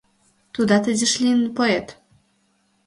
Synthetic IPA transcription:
t̪ud̪at̪ɘd͡ʑɘʂlʲinpɔɛt̪

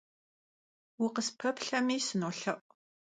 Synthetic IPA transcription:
wʊqəspʰɐpɬɐmiːsɨnoːɬɐʔʷʼ

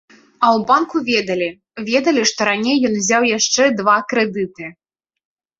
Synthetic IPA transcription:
ɐwbankuvʲɛd̪ɐlʲi | vʲɛd̪ɐlʲiʂt̪ɔɾanʲejːɔnvzʲawjaʂt͡ʂɛd̪vakɾɛd̪ɨt̪ɨ

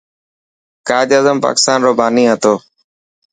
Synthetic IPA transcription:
kaːd͡ʒaːzəmpa̰ːkɪ̥st̪aːnɾoːbaːniːɦət̪oː

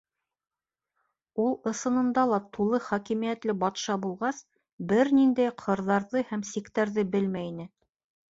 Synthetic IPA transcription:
ulˠɤ̆sɤ̆nɤ̆nd̪ɑlˠɑt̪ulˠɤχɒkimijæt̪lɘbɑt̪ʃɑbulˠʁɑs | bɘɾnind̪æjqʰɤ̆ɾðɑɾðɤhæmsikt̪æɾðɘbɘlmæinɘ

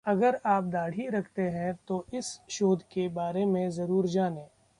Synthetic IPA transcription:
ɐɡəɾaːp̚d̪aːɽ̤iɾɐkʰt̪eɦɛ̃t̪oɪsʃoːd̪ʱkebaːɾemẽzɐɾuːɾd͡ʒaːnẽː

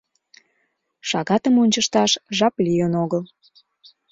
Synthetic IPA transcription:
ʃɑɣɑt̪əmonʲt͡ɕəʃt̪ɑʃʒɑplijənoɣəl

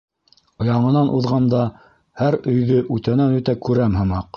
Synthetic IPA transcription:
ŏjɑɴɤ̆nɑnʔuðʁɑnd̪ɑ | hæɾɵ̆jðɵʔʉt̪ænænʉt̪ækʉɾæmhɤ̆mɑq

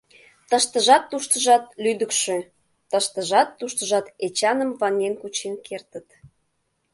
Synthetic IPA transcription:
t̪əʃt̪əʒɑt̪ːuʃt̪əʒɑt̪̚lyd̪əkʃø | t̪əʃt̪əʒɑt̪ːuʃt̪əʒɑt̪et͡ɕɑnəmvɑnenkut͡ɕenkert̪ət̪

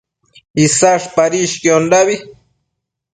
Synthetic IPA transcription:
isaʂpaɾiʃkiondaβi

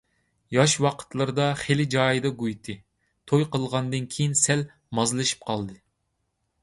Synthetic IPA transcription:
jɑʃwɑqʰə̥t̪lˠɨɾɨd̪ɑχelɪd͡ʒɑːjɨd̪ɑɡujt̪ʰɨ | t̪ʰojqəlˠʁɑnd̪ɨnkʲʰejinsɛl | mɑzlˠɨʃi̥p̚qʰɑlˠd̪ɨ

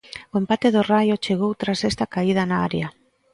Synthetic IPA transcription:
oempat̪eðorajot͡ʃeɣ̞owt̪ɾasest̪akaið̞anaa̰ɾja

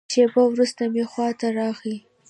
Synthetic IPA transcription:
ʃebawɾust̪amexwɑt̪aɾɑxi

